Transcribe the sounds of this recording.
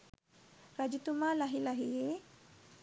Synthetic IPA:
ɾad͡ʒit̪umalaɦilaɦije

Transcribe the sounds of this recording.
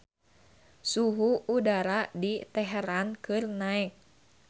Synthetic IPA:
suɦuudaɾadit̪ɛɦɛɾankɨrnaɛk̚

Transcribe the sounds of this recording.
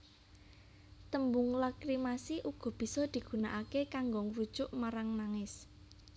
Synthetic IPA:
t̪əmbʊŋlakɾimasiʔuɡ̥ɔ̤b̥i̤sɔd̪̥i̤ɡ̥ṳnaʔakekaŋɡɔŋrud̥ʒ̥ʊʔmaɾaŋnaŋɪs

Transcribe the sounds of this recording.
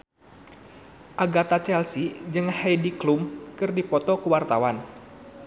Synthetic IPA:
ʔaɡat̪at͡ʃɛlsid͡ʒɨŋhɛjdiklumkɨrdipɔt̪ɔkəwart̪awan

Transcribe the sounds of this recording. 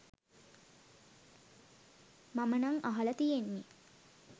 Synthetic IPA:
mamənaŋaɦalət̪ijenːi

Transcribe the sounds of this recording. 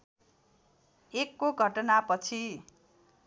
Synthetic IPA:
ekːoɡʱʌʈʌnapʌt͡sʰi

